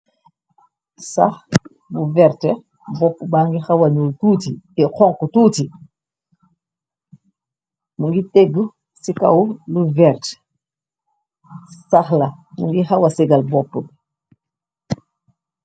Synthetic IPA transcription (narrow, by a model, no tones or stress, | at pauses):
sa̰x | buvɛɾtɛ | bɔpːəbaːŋɡixɐwɐɲuːltuːtiɛkɔŋkutuːti | muŋɡitɛɡu | sika̰wluvɛɾt | saxlɐmuŋɡixɐwɐsɛɡɐlbɔpːəb